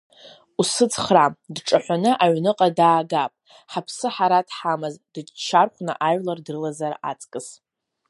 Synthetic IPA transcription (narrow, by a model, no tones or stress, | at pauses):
usɨt͡sʰʼχradʈ͡ʂʼaħʷanɨʔaɥnɨqʼadaːɡapʼ | ħapʰsɨħaɾatʰħamɨzd̥ɨt͡ʃʰarχʷna̰ʔaɥlardrɨlazara̰t͡sʼkʼɨs